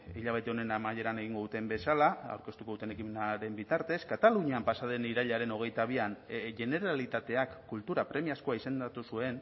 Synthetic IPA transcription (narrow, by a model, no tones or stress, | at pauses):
iʎaβ̞e̞t̪eo̞ne̞namaje̞ɾane̞ɣ̞iŋɡo̞ðut̪e̞mbe̞salaa̰wɾke̞st̪ukout̪e̞ne̞kimenaɾe̞mbit̪aɾt̪e̞skat̪aluɲiampasað̞e̞niɾaʎaɾe̞no̞ɣ̞e̞jt̪aβ̞ianʝe̞ne̞ɾalit̪at̪e̞akːult̪uɾapɾe̞miasko̞aise̞nd̪at̪usue̞n